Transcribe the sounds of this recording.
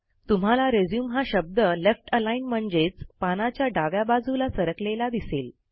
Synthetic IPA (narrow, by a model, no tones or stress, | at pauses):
t̪um̤alaɾed͡zjuːmɦaɕəb̚d̪əlefʈəlainm̤əɳd͡zet͡spanat͡ɕjaɖaʋjabad͡zulasəɾəklelad̪isel